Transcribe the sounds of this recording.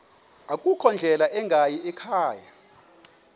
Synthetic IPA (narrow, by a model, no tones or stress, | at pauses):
akʼukʰɔnd͡ɮʱɛlaʔɛŋɡʱajiɛkʰaːja̰